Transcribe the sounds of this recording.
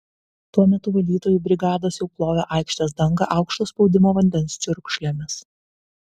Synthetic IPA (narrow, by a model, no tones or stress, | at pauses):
t̪uɔmʲɛt̪ʊʋɐlʲiːt̪oːjuːbʲɾʲɪɡɑːd̪oːsjɛʊplˠoːjʲoːʔɑˑɪkʃʲt̪ʲɛːsd̪ɐŋɡɐʔɑˑʊkʃt̪oːspɒʊd̪ʲɪmoːʋɐnʲd̪ʲɛnst͡ʃʲʊɾkʃʲlʲemʲɪs